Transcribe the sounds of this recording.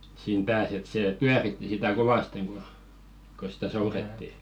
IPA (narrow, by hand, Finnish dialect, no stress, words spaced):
siːn pæːs et seˑ pyæritːi sitæ koʋɑsteŋ ku ko sitæ souretːi